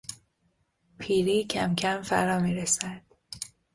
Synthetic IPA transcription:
pʰiːɾiːcʰæmcʲʰæmfæ̰ɾɒːmiːɾesæd̪̥̚

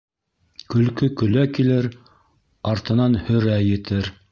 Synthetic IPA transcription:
kɵ̆lkɵkɵ̆lækilɘɾ | ɑɾt̪ɤ̆nɑnhɵ̆ɾæjɘ̆t̪ɘɾ

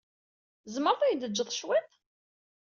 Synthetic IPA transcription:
zməɾθˤijd̪əd͡ʒːəðˤʃwæt̪

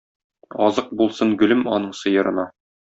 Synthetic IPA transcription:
ɒzɤq̚bulˠsɤɴɡɵ̆lɘmɒnɤɴsɤ̆jɤ̆ɾɤ̆nɑ

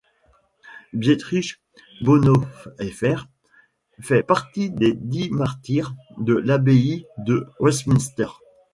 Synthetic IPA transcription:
bjet̪χiʃ | bonɔfɛfɛʁ | fɛpaʁt̪id̪ed̪imaʁt̪iʁd̪əlabeid̪əwɛst̪minst̪ɛʁ

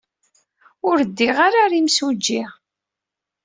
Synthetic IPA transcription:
ʊɾəd̪ːiʁaɾaɾimsud͡ʒːiʁ

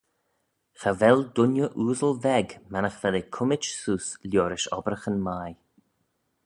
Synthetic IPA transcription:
xavɛld̪ʊnjəʔuːzəlvɛɡmanəxv̥ɛlekʰʊmɪt͡ʃsuːslʲjoːɾɪʃɔ̰bɾəxənmaj

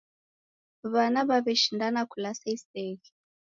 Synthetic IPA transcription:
βanaβaβɛʃindanakʰulasaisɛːɣi

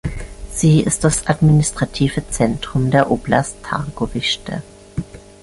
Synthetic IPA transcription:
z̥iːɪ̰st̚d̥asʔadminɪstʁ̥atʰiːvət͡sɛntʁ̥ʊmdeːɐʔoːplastʰa̰ʁɡovɪʃtə̰

